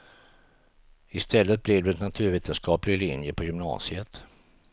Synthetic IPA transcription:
ɪst̪ʰɛlːət̪̚blɪvd̪ɵɛnːat̪ʰʉ̟ːɾveːt̪ənskɑːplɪɡlɪnjəpʰɔjʏmnɑ̰ːsɪət̪

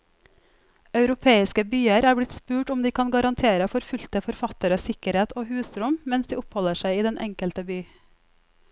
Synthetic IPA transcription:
ɑʉɾʊpʰeːɪskəbyːəɾæːɾblɪt̪spʉːʈʊmd̪iːkʰɑnɡɑɾɑnt̪ʰeːɾəfɔɾfʉlt̪əfɔɾfɑt̪əɾəsɪkəɾheːt̪ʰoːhʉːsɾʊmmɛnsd̪iːʊphɔləʃæɪiːd̪ɛnʔɛ̰ŋkəlt̪əbyː

